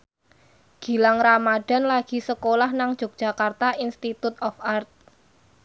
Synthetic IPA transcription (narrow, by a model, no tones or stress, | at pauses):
ɡ̥i̤laŋramaɖ̥a̤nlaɡ̥i̤səkolahnaŋd̥ʒ̥o̤k̚d̥ʒ̥a̤kart̪aʔinst̪it̪ut̪̚ɔfart̪̚